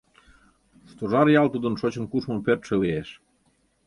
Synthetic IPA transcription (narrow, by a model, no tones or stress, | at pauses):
ʃt̪oʒɑɾjɑlt̪ud̪ə̆nʃot͡ɕə̆nkuʃmɤmpørt̪ʃĕleeʃ